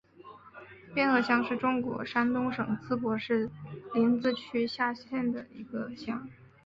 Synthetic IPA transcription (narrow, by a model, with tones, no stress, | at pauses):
pjɛ˥˧nɤ˥˩ɕjɑ˥ŋʂɻ̩˥˩ʈ͡ʂʊ˥ŋkwɔ̰˧˥ʂa˥nt̪ʊ˥ŋʂɤ˨˩ŋt͡sʰɹ̩˥pwɔ˧˥ʂɻ̩˥˩li˧˥nt͡sɹ̩˥˩t͡ɕʰy˥ɕja˥˧ɕjɛ˥˩nd̪ə˩i˧˥ɡə˧ɕjɑ˥ŋ